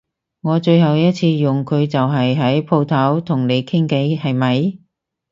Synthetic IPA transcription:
ŋɔː˨˧t͡ʃɵ˧ɥɦɐ˨wjɐ˥t̚t͡sʰiː˧jʊ˨ŋkʰɵ˨˧ɥt͡sɐ˨wɦɐ˨jɦɐ˨˥jpʰo˧wt̪ʰɐ˨˥wt̪ʰʊ˨˩ŋne˨˧jkʰɪ˥ŋke˨˥jhɐ˨jmɐ˨˧j

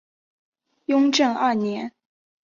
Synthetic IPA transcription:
jʊ˥ŋʈ͡ʂɤ˥˧ŋɐ˞˥˩njɛ˧˥n

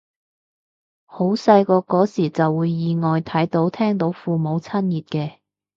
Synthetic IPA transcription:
ho˨˥wsɐ˧jkɔː˧kɔː˨˥siː˨˩t͡sɐ˨wːuː˨˧jːiː˨ŋɔː˨jt̪ʰɐ˨˥jt̪o˨˥wt̪ʰɛː˥ŋt̪o˨˥wfuː˨mo˨˧wt͡sʰɐ˥njiː˨t̚kɛː˧

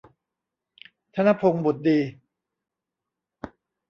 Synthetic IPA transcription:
t̪ʰa˧na˦˥˩pʰo˧ŋbu˨˩t̪̚diː˧

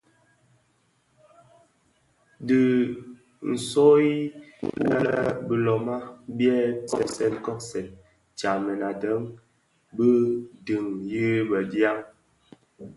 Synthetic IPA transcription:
di˨ | n̩˨so˦i˦wa̰˦lə˦bə˨lɔ˨ma˦bjɛ˦kɔ˦˨sɛ˦˨n˦kɔ˦ksɛ˨n | t͡ʃa˨mɛ˨na˨də˦ŋ | bə˦di˨ŋji˦bə˨dja˦ŋ

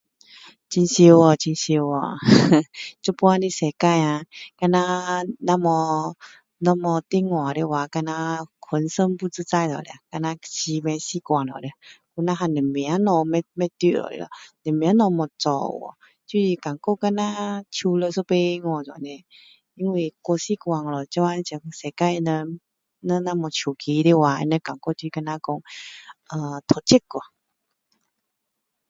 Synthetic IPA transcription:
t͡ɕi˧nɕi˧wɔ˨˩t͡ɕi˧nɕi˧wɔ˨ | t͡ɕo˧˦pwa˧nĩ˧˨sɛ˨ka˧ja˧ka˧nã˧nã˧mɔ˧ | nɔ̃˧mɔ˧t̪i˧˦ŋwã˨ɾe˧wa˨˧˦ka˧nã˧kʰwə˧˦nsə˧˦mpu˧˦t͡sɨ˧˦t͡sa˧jlɔ̰˨le˧a˧˨ka˧nã˧ɕi˧mɛ̃˧ɕi˧˦kwã˨lɔ̰˨ɾɛ˧˨ku˧˦nã˧˦ɦa˧˨ne˨˩mĩ˨a˨˦nɔ̃˧mɛ˧mɛ̃˦˧t̪i˧˨ɔ̰˨lḛ˧lɔ̰˧˨nɛ̃˨˩mẽ˨a˨˦nɔ̃˧mɔ̃˨t͡sɔ̰˧˨wɔ̰˨ | t͡ɕi˧˦i˧ka˨ŋkɔ˥˧˨ka˧nã˦t͡ɕʰu˧lə˧sɔ˦pe˧i˧˦ŋɔ˧˨t͡sa̰˨nɛ̃˧ | i˧nwi˧˨kwɔ˧si˦˨kwa˧ŋlɔ˨˩t͡ɕa˧˦ã˧˦t͡ɕi˧˩ŋse˨ka˧nə̃˧ | nə̃˧˦nã˦mɔ̃˨˩t͡ɕʰu˨˩kʰi˧˦˧ɾi˧˦wa˧ḭ˧˦nɛ̃˧˦ka˨˩ŋkɔ˥˧t̪i˧ka˧nã˦kɔ˧ŋə˧t̪ʰɔ˨˩t͡ɕi˦kɔ˨˩

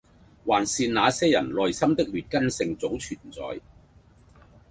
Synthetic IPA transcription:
waː˨˩nsiː˧nnaː˨˧sɛː˥jɐ̰˨˩nlɔː˨jsɐ˥mt̪ɪ˥k̚ɥyː˨t̚kɐ˥nsɪ˧ŋt͡so˨˥wt͡ʃʰyː˨˩nt͡sɔ̰ː˨˥j

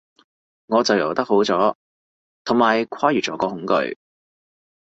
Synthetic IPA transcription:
ŋɔː˨˧t͡sɐ˨wjɐ̰˨˩wt̪ɐ˥k̚ho˨˥wt͡sɔː˨˥ | t̪ʰʊ˨˩ŋmaː˨jkʰaː˥jyː˨˩t͡sɔː˨˥kɔː˧hʊ˨˥ŋkɵ̰˧ɥ

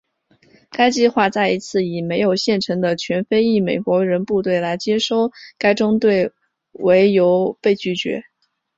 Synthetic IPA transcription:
ka˥ɪt͡ɕi˥˧xwa˥˧t͡sa˥˩ɪi˧˥t͡sʰɹ̩˥˩i˨˩me˧˥ɪjo˨˩ʊɕjɛ˥˩nʈ͡ʂʰɤ˧˥ŋd̪ə˧t͡ɕʰɥɛ˧˥nfe˥ɪi˥˩me˨˩ɪkwɔ˧˥ɻə˧˥npu˥˧t̪we˥˩ɪla˧˥ɪt͡ɕjɛ˥ʂo˥˩ʊka˥ɪʈ͡ʂʊ˥ŋt̪we˥˩ɪ | we˧˥ɪjo˧˥ʊpe˥˧ɪt͡ɕy˥˩t͡ɕɥɛ̰˧˥

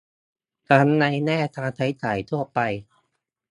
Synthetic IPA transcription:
t̪ʰa˦˥nːa˧jnɛː˥˩t̪ʰaː˧t̪ʰa˦˥jt͡ɕaː˨˩jt̪ʰu˥˩ɐpa˧j

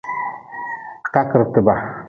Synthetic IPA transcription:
ka˦kə˨ɾt̪ə˨ba˨

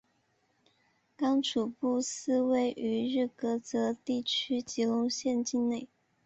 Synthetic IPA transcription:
kɑ˥ŋʈ͡ʂʰu˨˩pu˥˩s̩˥˧we˥˩ɪʔy˧˥ɻ̩˥˩kɤ˧˥t͡sɤ˧˥t̪i˥˩t͡ɕʰy˥t͡ɕi˧˥lʊ˧˥ŋɕjɛ˥˧nt͡ɕi˥˧nne˥˩ɪ

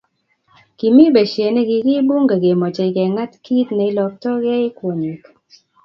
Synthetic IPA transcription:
ki˨mi˦be˨ʃje˨ne˦ɡɪ˨ɡɪ˦bu˦ŋɡa˨ɡe˨mɔ˨t͡ʃe˨ke˨ŋa˦t̪ki˦t̪na˨ɪ˦lɔ˨k̚tɔ˦ɡɛ˦ɪ˦kwo˨ɲi˨k

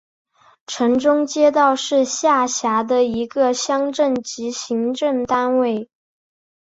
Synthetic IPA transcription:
ʈ͡ʂʰɤ˧˥ŋʈ͡ʂʊ˥ŋt͡ɕjɛ˥t̪̬ɑ˥˧ʊʂɻ̩˥˧ɕja˥˩ɕja˧˥d̪ə˧i˧˥ɡə˧ɕjɑ˥ŋʈ͡ʂə˥˩ŋt͡ɕi˧˥ɕi˧˥ŋʈ͡ʂɤ˥˩ŋt̪a˥nwe˥˩ɪ

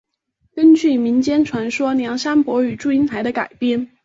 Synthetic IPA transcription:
kə˥nt͡ɕy˥˩mi˧˥nt͡ɕjɛ˥nʈ͡ʂʰwa˧˥nʂwɔ˥njɑ˧˥ŋʂa˥npwɔ˧˥y˨˩ʈ͡ʂu˥˩i˥nt̪ʰa˧˥ɪd̪ə˧ka˨˩ɪpjɛ˥˩n

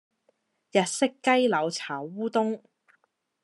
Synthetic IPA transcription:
jɐ˨t̚sɪ˥kːɐ˥jlɐ˨˧wt͡sʰaː˨˩wuː˥t̪ʊ˥ŋ

